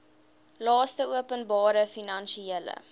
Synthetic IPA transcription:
lɑːstəuəpənbɑːɾəfinɐnʃielə̰

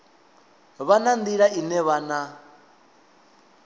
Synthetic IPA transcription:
βanand̪iɺainɛβana

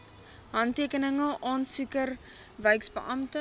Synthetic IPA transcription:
ɦɐntiəkənəŋəʔɔnsukər | vəɥksbə̰ʔɐmtə

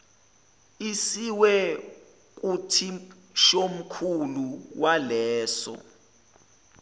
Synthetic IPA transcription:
isiwɛ | k̬ʼutʰi | ʃom̩kʰuluwalɛːsɔ̰

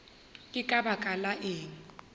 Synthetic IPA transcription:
ɪkʼabakʼalaʔeːŋ̩

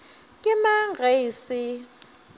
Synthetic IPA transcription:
kʼɪmaŋɡeisɪ

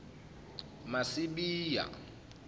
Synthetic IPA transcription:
masiɓiːja̰

